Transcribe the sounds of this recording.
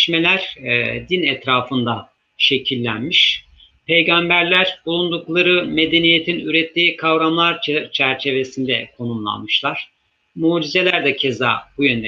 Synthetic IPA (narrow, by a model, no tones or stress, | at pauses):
ʃme̞lʲæɾ̥d̪inɛt̪ɾaːfɯnd̪a | ʃe̞cʰilʲːænmiʃ | pʰe̞jɡambæɾlʲæɾ̥bulˠund̪uklˠaɾɯme̞d̪e̞nijet̪ʰinyɾɛt̪ʰːiːkʰavɾamlˠaɾt͡ʃʰæɾt͡ʃʰe̞ve̞sind̪ɛkʰo̞numlˠa̰nmɯʃlˠaɾ̥ | muːd͡ʒize̞lʲæɾd̪ɛcʰe̞za̰ːbujønd̪ɛ